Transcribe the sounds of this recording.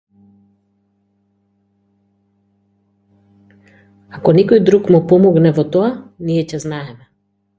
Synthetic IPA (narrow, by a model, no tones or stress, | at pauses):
akɔnɛkɔjd̪ɾukmupɔmɔɡnɛvɔt̪ɔaniɛcɛznaɛmɛ